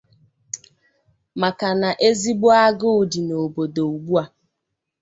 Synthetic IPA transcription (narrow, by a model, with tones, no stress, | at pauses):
ma˨ka˨na˨ʔe˦zi˦ɡ͡bo˦a˦ɡʊ˦ʊ˨di˨no˨bo˨do˨u˨ɡ͡bu˦a˦˨